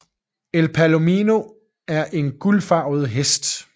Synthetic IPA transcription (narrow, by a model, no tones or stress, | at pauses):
elpʰælo̝miːno̝ | æɐʔe̝nɡ̥ulfɑ̈ʊð̞̩ˠɦesd̥